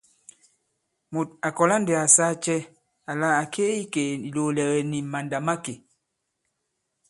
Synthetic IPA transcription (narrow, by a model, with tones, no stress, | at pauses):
mo˨t̚a˨kɔ˨la˦n˦de˨a˨sa˦t͡ʃɛ˦ | a˨la˦a˨kʰe˦i˦ke˨i˨loː˨lɛ˨ɣɛ˨ni˨ma˨nda˨ma˦ke˨